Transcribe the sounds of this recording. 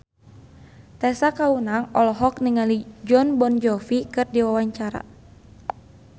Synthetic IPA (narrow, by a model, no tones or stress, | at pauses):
t̪ɛsakaunaŋɔlɔɦɔk̚niŋalid͡ʒɔnbɔnd͡ʒɔfikɨrdiwawaɲt͡ʃaɾa̰